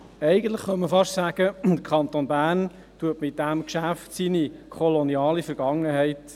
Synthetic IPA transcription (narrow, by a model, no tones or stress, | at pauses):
ɛɪɡəntləχχœməfɑʃsæːɡ̥əd̥̪əɾkʰɑnt̪oːnbæːrn | tuətmɪt̚d̪̥æmkʃæftsinikʰɔlonjɑːlifəɾɡ̥ɑŋːəɦɛɪt